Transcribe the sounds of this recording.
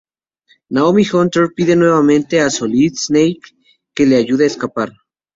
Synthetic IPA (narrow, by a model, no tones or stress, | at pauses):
naomixont̪eɾpiðenweβament̪easolid̪snejkː | eleajuðeeskapaɾ